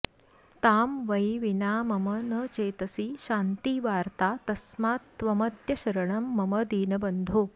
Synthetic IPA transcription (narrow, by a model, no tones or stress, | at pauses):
t̪aːmʋɐjʋinaːmɐmɐnɐt͡ʃeːt̪ɐsiʃaːnt̪iːʋaːɾt̪aːt̪ɐsmaːt̪ʋɐmɐt̪jɐʃɐɾɐɳɐmːɐmɐd̪iːnɐbɐnd̪ʱoː